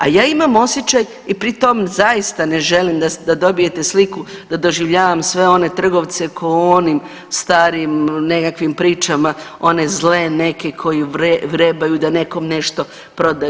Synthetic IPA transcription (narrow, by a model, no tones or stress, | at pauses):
a̰jaːimamo̞sjet͡ʃaj | ipɾit̪o̞mzajist̪ane̞ʒe̞limd̪ad̪ad̪o̞bije̞t̪e̞slikud̪̥ad̪o̞ʒiʋʎaːʋamsʋe̞o̞ne̞t̪r̩ɡo̞ʋt̪se̞kʰoonim | st̪aːɾimne̞kakʋimpɾiːt͡ʃamao̞ne̞zle̞ne̞ke̞kʰo̞jiɾeʋɾeːbajud̪ane̞ko̞mne̞ʃt̪o̞ | pɾo̞d̪a